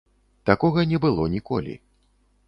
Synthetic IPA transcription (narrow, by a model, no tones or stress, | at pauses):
t̪akɔɣɐnʲɛbɨlˠɔnʲikɔlʲḭ